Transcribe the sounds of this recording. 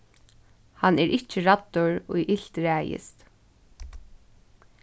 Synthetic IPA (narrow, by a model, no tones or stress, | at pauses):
hanɛɹʔɪt͡ʃːɪɹat̪ːʊɹʊjʔɪl̥t̪ɹæːjɪ̰st̪